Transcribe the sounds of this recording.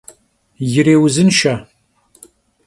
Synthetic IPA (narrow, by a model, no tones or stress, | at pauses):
jɪɾeːwzɨnʃa